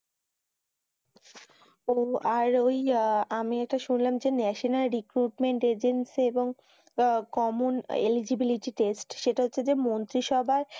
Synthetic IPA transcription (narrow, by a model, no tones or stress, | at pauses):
oaɾojamiɛk̚ʈaʃunlamd͡ʑenɛʃinalɾikɾuʈmeɳʈed͡ʑensieboŋ | kɔmunḛlid͡ʑibiliʈiʈesʈʃeʈaɦotːɕʰed͡ʑemont̪ɾiʃɔbʱae